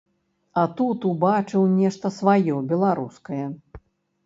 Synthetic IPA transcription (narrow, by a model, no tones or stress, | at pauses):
ɐt̪ut̪ubat͡ʂɨwnʲɛʂt̪ɐsvajɔbʲɛlˠaɾuskɐjɐ